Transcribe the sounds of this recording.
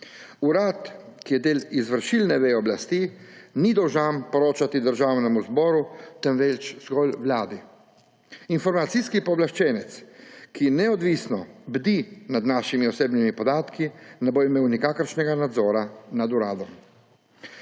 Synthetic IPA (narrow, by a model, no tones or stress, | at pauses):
uɾaːt̪ | kijɛd̪eːlizʋəɾʃilnɛʋeɔblast̪iːnid̪ɔwʒampɔɾoːt͡ʃat̪id̪əɾʒaːwnɛmuzbɔːɾut̪ɛnʋɛt͡ʃz̥ɡɔlʋlaːd̪i | infɔɾmat̪siskipɔblaʃt͡ʃɛːnɛt̪skʰinɛɔd̪ʋiːsnɔbd̪inad̪naːʃimiɔseːbnimipɔd̪aːt̪kinɛboimeːwnikaːkəɾʃnɛɡanad̪zɔːɾanad̪uɾaːd̪ɔm